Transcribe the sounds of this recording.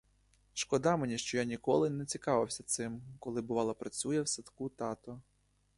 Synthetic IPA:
ʃkɔd̪ɑmenʲiʃt͡ʃɔjanʲikɔlˠɪnɛt͡sʲikɑʋɪwsʲɐt̪sɪmkɔlˠɪbʊʋɑlˠɐpɾɐt͡sʲujɛwsɐt̪kut̪ɑt̪ɔ

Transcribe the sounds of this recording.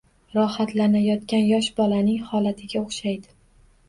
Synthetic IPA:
ɾɒhat̪lanajɒt̪kʲanjɒʃbɒlanɪŋhɒlat̪ʰɪɡʲaoχʃajd̪ɪ

